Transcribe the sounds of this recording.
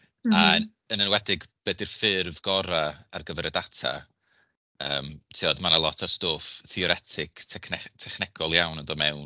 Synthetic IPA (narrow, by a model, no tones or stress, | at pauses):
a | ənənwɛdɪɡb̥ɛdɪrfɪrvɡ̥ɔɾaa̰rɡəvɛɾədatʰa̰ | əːmtʰiɔdmanalˠɔtʰarstoːfθiɔɾɛtʰɪktʰkʰnɛtʰɛχnɛɡ̥ɔlˠjawnənðoːmɛwn